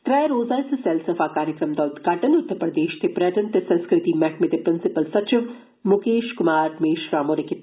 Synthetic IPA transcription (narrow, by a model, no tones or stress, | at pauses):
t̪ɾɐjɾoːzaːsɐsɛlsɐfaːkaːɾjəkɾɐmd̪ɔːlt̪ɡaːʈɐnʊt̪ːəɾpɾɐd̪eːʃt̪ʰepɾɐt̪ɐnt̪esɐ̃nskɾɪt̪imɛkmet̪epɾɪnsɪpəlsɐt͡ʃɪʋ | mʊkeːʃkʊmaːɾmeːʃɾaːmoːnɐki